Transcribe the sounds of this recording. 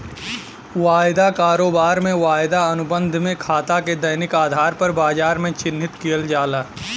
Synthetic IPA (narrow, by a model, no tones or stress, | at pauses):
ʋaːjd̪akaːɾoːbaːɾmẽʋaːjd̪aɐnʊbə̃nd̪ʱmẽkʰaːt̪aked̪ɐjnɪkaːd̪ʱaːɾpɐɾbaːd͡ʒaːɾmẽt͡ʃɪnːɪt̪kijəld͡ʒaːlaː